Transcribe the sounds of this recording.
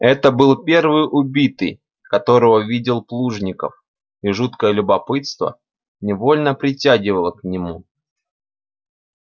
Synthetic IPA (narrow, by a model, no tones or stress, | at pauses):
ɛt̪əbɨlˠpʲe̞rvɨjʔʊbʲit̪ɨ̰j | kɐt̪o̞ɾəvəvʲidʲɪlˠplˠuʐnʲɪkə̰f | iʐut̪kəjəlʲʊbɐpɨt̪st̪və̰ | nʲɪvo̞lʲnəpɾʲɪtʲæɡʲɪvəlˠəknʲɪmu